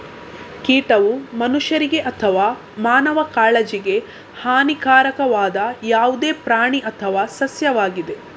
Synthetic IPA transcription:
kiːʈɐʋumɐnuʂjɐɾiɡe̞ʔɐt̪ʰɐʋaː | maːnɐʋɐkaːɭed͡ʒiɡe̞ | haːnikaːɾɐkɐʋaːd̪ɐjaːʋud̪eːpɾaːɳiʔɐt̪ʰɐʋaːsɐsjɐʋaːɡid̪e̞

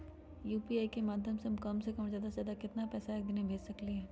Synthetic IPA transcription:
juːpiaːikemaːd̪ʱjəmsemkɐmsekɐmzjaːd̪azjaːd̪akɪt̪napɛːsaɛːk̚d̪ɪnebʱeːd͡ʒsɐkliɦɛ̃ː

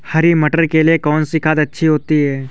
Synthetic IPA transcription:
hɐɾimɐʈəɾkeliekɔːnsɪkʰaːt̪ɐtːʃʰiɦoːt̪iɦɛː

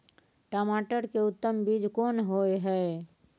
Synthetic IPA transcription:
ʈaːmaːʈəɾkeʊt̪ːəmbid͡ʒkoːnɦoːeɦɛ

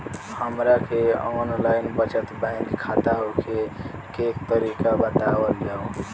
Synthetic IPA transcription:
həmɾakʰeonlaɪnbət͡ʃət̪baɪnɡkʰat̪aɦokʰekekt̪əɾikabət̪abəld͡ʒao

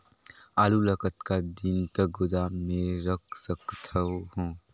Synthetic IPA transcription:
aːluləkət̪kad̪int̪əɡʊd̪aːmẽɾək̚ʰsəkt̪ʰəɦõː

